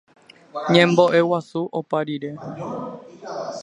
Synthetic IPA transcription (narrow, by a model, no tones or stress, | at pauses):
ɲẽmbo̞ʔewasuʔopaɾiɾe̞